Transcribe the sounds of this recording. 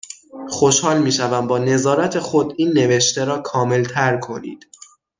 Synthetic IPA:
χo̞ʃhɒːlmiːʃævæmbɒːne̞zɒːɾæt̪ʰe̞xo̞d̪iːnːe̞veʃt̪eɾɒːkʰɒːme̞lt̪ʰæɾkʰo̞nḭːd̪̥

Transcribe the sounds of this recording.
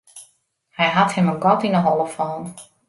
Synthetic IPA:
hɛjɦathɪmənɡɔtinəɦɔlˠəfɔːn

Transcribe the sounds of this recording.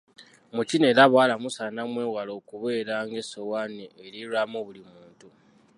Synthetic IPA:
mucine̞laβwaːlamusanamwe̞ːwalo̞kuβe̞ːɾaŋɡesowaneːɾiɾamoβulimuːntu

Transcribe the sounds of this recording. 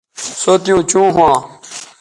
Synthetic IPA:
soːt̪ijũːt͡ɕũːɦũãː

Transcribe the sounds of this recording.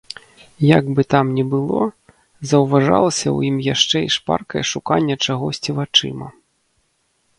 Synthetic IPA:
jaɡbɨt̪amnʲɛbɨlˠɔ̰ | zɐwvaʐa̰lˠɐsʲɐ̰wjimjaʂt͡ʂɛiʂpa̰rkɐjɛʂukanʲːɐt͡ʂaɣɔsʲt͡sʲivat͡ʂɨ̰mɐ̰

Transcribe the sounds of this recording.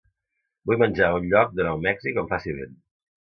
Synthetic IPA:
bujmənʲʒaunʎɔk̚d̪ənɔwmɛksikəmfasiβḛn

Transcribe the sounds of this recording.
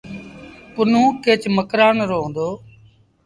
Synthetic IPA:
pʊnũːkeːt͡ʃməkɾaːnɾoːɦõːnd̪oː

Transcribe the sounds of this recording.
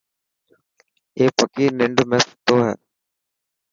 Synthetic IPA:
eːpəkiːnɪɳɖʱmẽːsɪ̥t̪oːɦɛ̰ː

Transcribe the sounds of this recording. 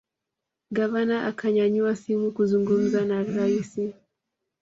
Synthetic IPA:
ɡavanaʔakʰaɲaɲuwasimukuzuŋɡum̩zanaɾaisi

